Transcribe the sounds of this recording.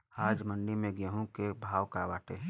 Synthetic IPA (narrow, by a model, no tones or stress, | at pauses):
aːd͡ʒməɳɖimẽɡjəɦũkebʱaːʋkaʋaːʈe